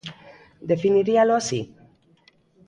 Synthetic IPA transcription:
d̪e̞finiɾialoasḭ

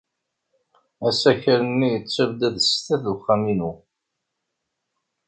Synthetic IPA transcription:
æsæçəɾənːijət͡sːævd̪æðst̪æθuχːæminu

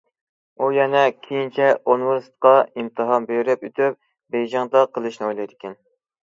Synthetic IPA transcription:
ujɛnɛkʲʰejint͡ʃʰɛonwɨɾsɨ̥t̪̚qɑimt̪ʰɨɦɑnbejɾɛpyt̪ʰyp̚ | bejd͡ʒɑŋd̪ɑqʰəlˠɨʃnɨojlˠɑjd̪ɪkʲɛn

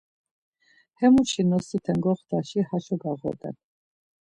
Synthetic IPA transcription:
hɛmuʃinɔsit̪ʰɛŋɡɔχd̪ʰaʃihaʃɔɡaʁɔ̰d̪ɛ̰n

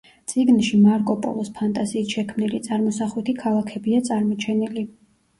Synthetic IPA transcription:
t̪sʼiɡnʃimaɾkʼɔpʼɔ̰lˠɔspʰant̪ʼaziːsʃɛkʰmnilit̪sʼaɾmɔsaχlɛt̪ʰikʰalˠakʰɛbiat̪sʼaɾmɔt͡ʃʰɛnili

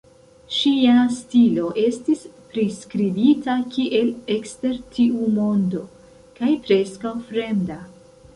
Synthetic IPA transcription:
ʃiastilo̞ʔe̞stispɾiskɾibitakiʔe̞le̞kste̞ɾtʰiumo̞ndo̞ | kajpɾe̞skawfɾe̞mda

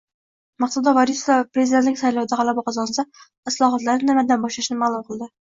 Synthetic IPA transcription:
mɑqsɑd̪ɑvɑɾisɑpɾezid̪ent̪nɪŋʲsɑjlˠɒwd̪ɑʁɑlˠabɑqʰɑzɑnsɑ | ɪslˠɒːɦɑt̪laɾnɪnɪmɛd̪ænbɒʃlaʃnɪmalˠumqʰəlˠd̪ɪ

